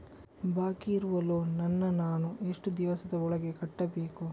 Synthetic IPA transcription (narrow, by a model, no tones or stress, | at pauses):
baːkiːɾuʋɐloːnɐnːɐnaːnueʂʈud̪iʋɐsɐd̪ɐɔɭɐɡe̞kɐʈːɐbeːku